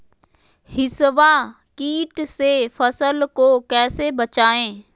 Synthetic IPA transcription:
hɪsʋa | kiːʈsefɐsəlkoːkɛːsebɐt͡ɕaːẽː

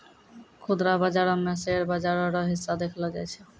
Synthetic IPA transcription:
kʰud̪ɾabad͡ʑaɾɔmɛseɾbad͡ʑaɾɔɾɔɦisːad̪ekʰlɔɡajt͡ɕʰe

